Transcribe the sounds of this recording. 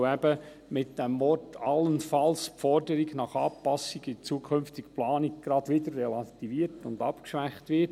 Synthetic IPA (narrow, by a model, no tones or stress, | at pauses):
ɛbə | mɪt̚d̥ɛmʋɔtʰɑlənfɑlspfɔɾdəɾɪɡnɑχɑːpɑsɪɡɪt͡suːkʰʏnftɪkplɑːnɪɡ̚ɡ̥ɾɑd̥ʋɪdəɾːɛlɑtiviːəɾtʊndɑpkʃʋæχtʋɪt